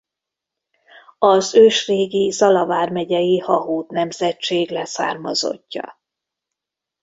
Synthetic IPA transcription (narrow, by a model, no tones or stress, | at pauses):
ɒzøːʃreːɡizɒlɒvaːrmɛɟɛjihɒɦuːt̪nɛmzɛt͡ʃeːɡlɛsa̰ːrmɒ̰zo̞̰cːɒ̰